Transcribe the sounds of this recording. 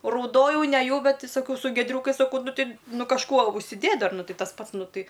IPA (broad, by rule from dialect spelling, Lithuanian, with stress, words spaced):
rɐʊˈdoːjɛʊ nʲɛˈjɛʊ ˈbʲɛt tʲɪ sɐˈkɐʊ sʊ ɡʲiɛˈdʲrʲuːkɐɪs sɐˈkɐʊ ˈnʊ ˈtʲɪ ˈnʊ kɐʃˈkuɔ ʊʃʲsʲɪˈdʲeːtʲ ˈdɐr ˈnʊ ˈtʲɛɪ tɐs ˈpɐts ˈnʊ ˈtɐɪ